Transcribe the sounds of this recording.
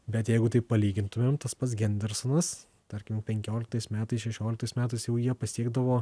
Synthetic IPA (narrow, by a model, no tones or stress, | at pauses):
bʲɛt̪jɛɪɡʊt̪ɐɪpɐlʲiːɡʲɪnt̪ʊmʲeːmt̪ɐspɐt̪sɡʲɛnʲd̪ʲɛɾsonɐs | t̪ɐɾʲkʲɪmpʲɛŋʲkʲoːlʲɪkt̪ɐɪsmʲæːt̪ɐɪsʃʲɛʃʲoːlʲkt̪ɐɪsmʲæːt̪ɐɪsjɛʊjiɛpɐsʲiɛɡd̪ɐʋoː